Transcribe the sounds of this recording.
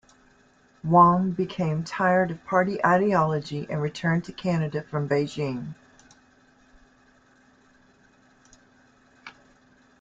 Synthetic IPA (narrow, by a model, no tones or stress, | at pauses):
wɔ̃ŋbɨkʰẽɪ̃mtʰaɪə˞ɾʌv̥pʰɑɹɾiʔaɪɾiɑlˠəd͡ʒiʔɨ̃nɹɨtʰɜ̃˞ntʰɨkʰænɨɾɨfɹʌ̃mbeɪd͡ʒĩm